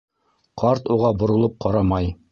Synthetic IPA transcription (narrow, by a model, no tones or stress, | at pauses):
qʰɑɾt̪uʁɑbŏɾŏlˠɤp̚qɑɾɑmɑj